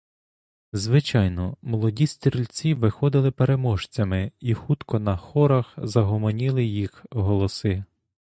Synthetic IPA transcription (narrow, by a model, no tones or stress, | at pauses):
zʋɪt͡ʃɑjnɔmɔlˠɔdʲisʲt̪ʲilʲt͡sʲiʋɪxɔd̪ɪlˠɪpeɾemɔʃt͡sʲɐmɪixut̪kɔnɐxɔɾɐxzɐɦɔmɔnʲilˠɪjixɦɔlˠɔsɪ